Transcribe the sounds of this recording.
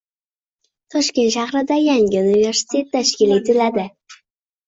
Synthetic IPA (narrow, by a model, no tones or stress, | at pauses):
t̪ʰɒʃkʲenʃɑχɾɨd̪ɑjæŋʲɪunivʲeɾsi̥t̪ʰet̪ːæʃkʲilit̪ʰɵlæd̪ɪ